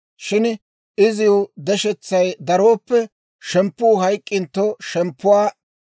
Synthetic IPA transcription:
ʃɪn | ɪzɪjʊd̪ɛʃɛt͡sːɐjd̪ɐɾoːpːɛ | ʃɛmpːʊːɦɐjkʼːɪnt̪ːɔʃɛmpːʊwaː

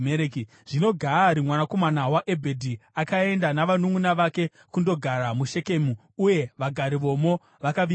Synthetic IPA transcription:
eɾeki | ʐ̥ino̞ɡʱaɾimwanako̞manawaʔe̞bʱe̞dʱiakae̞ndanaʋanumunaʋake̞ | kundo̞ɡʱaɾamuʃe̞ke̞mu | uje̞ʋaɡʱaɾiʋo̞mo̞ | ʋakaʋi

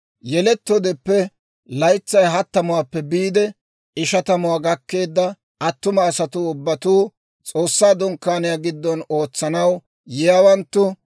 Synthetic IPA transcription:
jɛlɛt̪ːɔd̪ɛpːɛ | lɐjt͡sːɐjɦɐt̪ːɐmʊwaːpːɛbiːd̪ɛ | ɪʃɐt̪ɐmʊwaːɡɐkːe̞ːd̪ːɐ | ʔɐt̪ːʊmɐːsɐt̪ʊʊbːɐt̪uː | t͡sʼo̞ːsːaːd̪ʊŋkːaːnɪjaɡɪd̪ːɔno̞ːt͡sːɐnɐw | jɪjawɐnt̪ːʊ

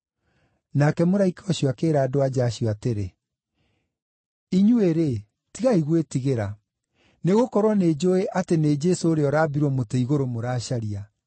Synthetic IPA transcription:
nakɛmoɾaikaɔɕjɔakeːɾaːdoad͡ʑaːɕiɔateɾe | iɲueɾe | tiɣaiɣwetiɣeɾa | neɣokɔɾwɔneːd͡ʑoeʔatened͡ʒesoːɾeɔɾaːbiɾwɔmoteiɣoɾomoɾaːɕaɾia

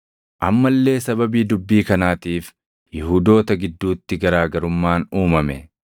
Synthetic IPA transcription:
ʔɐmːɐlːe̞ːsɐbɐbiːd̪ʊbːiːkɐnaːt̪iːf | jɪhuːd̪o̞ːt̪ɐɡɪd̪ːuːt̪ːɪɡɐɾaːɡɐɾʊmːaːnuːmɐmɛ̰

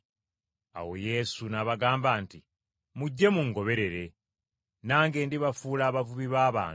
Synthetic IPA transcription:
a̰wo̞̰je̞sunaβaɡaːmbaːnti | muɟːe̞muŋɡo̞βe̞ɾe̞ɾe̞ | naːŋɡe̞ːndiβafuːlaːβavuβiβaːβa̰ː

